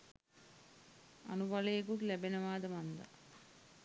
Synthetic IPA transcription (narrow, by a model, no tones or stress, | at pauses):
ɐ̰nubɐlejkuʈlɛbenɐʋaːd̪ɐmɐnd̪ɐ̰